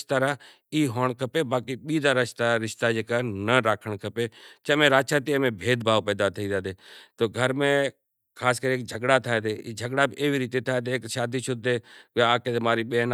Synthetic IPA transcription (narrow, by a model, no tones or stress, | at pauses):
ʃt̪aːɾa | iːɦoːɳ̃kʰəpebaːkiɓiːd̪aɾəʃt̪aɾɪʃt̪ad͡ʒeːkanəɾaːkʰəɳ̃kʰəpet͡ʃəmẽɾaːt͡ʃaːt̪imẽbʱeːd̪bʱaːʋpɛːd̪at̪ʰəiːd̪ad̪eːt̪oːɡʱəɾmẽ | kʰaːskəɾieːk̚d͡ʒʱəɠɽat̪ʰaːed̪eːiːd͡ʒʱəɡɽabʔeːʋiɾiːt̪et̪ʰaːet̪̬eeːkʃaːd̪ʱiʃʊd̪ʱːekaːket̪emaːɾiɓeːn